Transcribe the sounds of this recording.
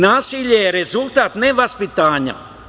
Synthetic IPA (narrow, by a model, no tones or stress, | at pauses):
naːsiːʎʲeːɾɛzulˠt̪aːt̪nɛvaspit̪aːɲa̰